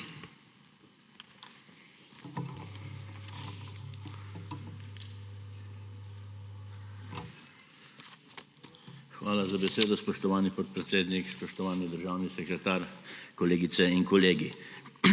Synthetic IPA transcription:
xʋaːlazabɛseːd̪ɔspɔʃt̪ɔʋaːnipɔt̪̚pɾɛt̪seːd̪nikspɔʃt̪ɔʋaːnid̪əɾʒaːwnisɛkɾɛt̪aːɾkɔleːɡit̪sɛiŋkɔleːɡi

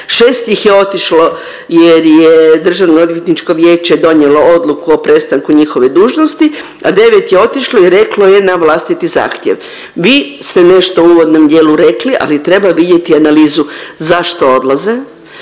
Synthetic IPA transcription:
ʃeːst̪jixjeo̞t̪iʃlo | jeɾjed̪r̩ʒaʋnood̪ʋjet̪nit͡ʃko̞ʋje̞ːt͡ʃe̞d̪o̞ɲjelo̞od̪lˠukuopɾest̪aŋkuɲixo̞ʋe̞d̪uːʒnost̪i | ad̪e̞ʋet̪jeo̞t̪iʃloiɾe̞klo̞je̞naʋlˠast̪it̪iza̰ːxt̪jḛʋ | ʋiːst̪ene̞ʃt̪ouːʋo̞d̪no̞md̪jeːluɾe̞kliʔa̰lit̪ɾe̞baʋid̪je̞t̪ianaliːzuzaʃt̪oo̞d̪lˠaze

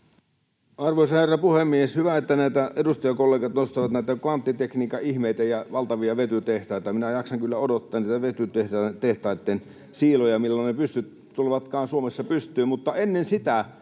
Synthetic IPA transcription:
ɑrʋoˑsɑherːɑpuhemːieshyʋæet̪ːænæˑit̪æʔedust̪ɑjɑkolːeːˑkɑt̪nost̪ɑʋɑt̪næˑit̪ækʋɑnt̪ːit̪ekniːkɑihmeˑit̪æjɑʋɑlt̪ɑʋiɑʋet̪yt̪eht̪ɑˑit̪ɑminæjɑksɑŋkylːæodot̪ːɑːnniːt̪æʋet̪yt̪eht̪eht̪ɑˑit̪ːen | siːlojɑmilːonnepyst̪yt̪ | t̪ulʋɑt̪kɑːnsuomesːɑpyst̪ˑyːmmut̪ːɑenːensit̪æ

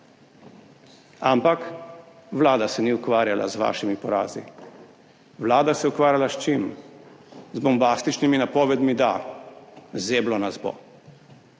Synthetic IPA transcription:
ampak | ʋlaːd̪asɛniukʋaːɾjala̰zʋa̰ːʃimipɔɾa̰ːzi | ʋlaːd̪asɛukʋaːɾjalaʃt͡ʃim | zbɔmbaːst̪it͡ʃniminapɔːʋɛd̪mid̪a | zeːblɔnazbo̰

